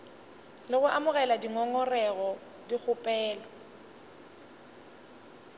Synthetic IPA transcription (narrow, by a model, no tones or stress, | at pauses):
lɪɣʊʔamʊɣɛladiŋɔŋɔrɛɣɔ | dik͡xʰʊpʼɛːlɔ